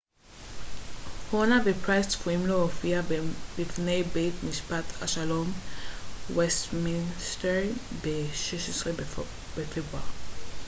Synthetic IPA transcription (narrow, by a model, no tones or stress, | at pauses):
hɔnabepʰɹajstfuĩmloːfiabifnejbet̪miʃpat̪ʰa̰ʃalɔ̃m | wɛstminstɛɹibeʃiʃusli | befibɔl